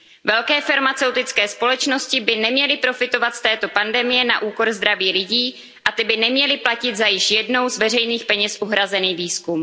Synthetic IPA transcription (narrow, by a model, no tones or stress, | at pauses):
vɛlkɛːfaɾmat͡sɛwt̪ɪt͡skɛːspo̞lɛt͡ʃno̞scɪbɪnɛmɲɛlɪpɾo̞fɪt̪o̞vat̪st̪ɛːt̪o̞pandɛmɪjɛnaʔuːko̞ɾzd̪ɾaviːlɪɟiː | ʔat̪ɪbɪnɛmɲɛlɪplacɪd̪zajɪʃjɛdno̞wzvɛrɛjniːxpɛɲɛsʔuɦɾazɛniːviːskum